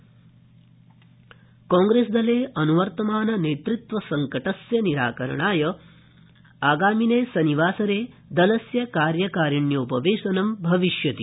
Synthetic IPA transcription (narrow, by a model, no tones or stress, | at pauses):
koːŋɡɾeːsd̪ɐleːʔɐnuʋɐɾt̪ɐmaːnɐneːt̪ɾut̪ʋɐsɐŋkɐʈɐsjɐniɾa̰ːkɐɾɐ̰ɳaːjɐ | aːɡaːmineːsɐniʋaːsɐɾeː | d̪ɐlɐsjɐkaːɾjɐkaːɾiɳjɐupɐʋeːʃɐnɐmbʱɐʋiʃjɐt̪i